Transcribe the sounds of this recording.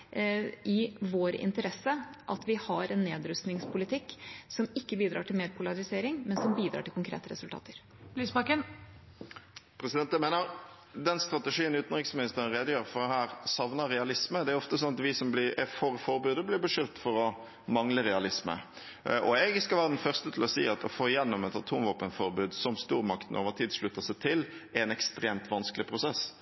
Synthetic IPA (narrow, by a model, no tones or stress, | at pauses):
ʔɪʋoːɾɪ̰nt̪əɾɛsːəʔɑt̪ʋɪhɑɾɛnːeːd̪ɾʉst̪nɪŋspʰʊlɪt̪ʰɪkːsɔmɪkːəbiːd̪ɾɑːʈʰɪlmeːɾpʰʊlɑɾɪseːɾɪŋmɛnsɔmbiːd̪ɾɑ̰ːʈʰɪlkʊŋkʰɾḛːt̪əɾɛ̰sʉlt̪ɑ̰ːt̪əɾ | bliːsbɑkən | pʰɾɛsɪd̪ɛnt̪æmeːnəɾ | d̪ɛnst̪ɾɑt̪ɛʂiːənʉːt̪n̩ʁɪksmɪnɪst̪əɾənʁɛːd̪əjøːɾfɔʁhæːɾsɑʋnəɾːɛɑlɪsməd̪ɛæɾʊɔft̪əsɔnɑt̪ʋɪsɔmblɪɛfɔʁfɔɾbʉːd̪əblɪʁbəʂʏlt̪fɔʁɔ | mɑŋləɾɛɑlɪsmə̰ | ʔɔɛɡskɑlʋæːʁəd̪ɛnfœʁst̪ət̪ʰlɔsiːɑt̪ɔ̰foːɪjɛnːɔmɛt̪ɑt̪ʰuːmʋoːpənt̪fɔʁbʉːd̪sɔmst̪uːʁmɑkt̪n̩ʔoːʋəʁt̪ʰiːd̪ʂɭʉt̪ːəsæɪt̪ʰɪlɛnɛkst̪ɾeːmt̪ʰʋɑnskəlɪpʰɾʊsɛs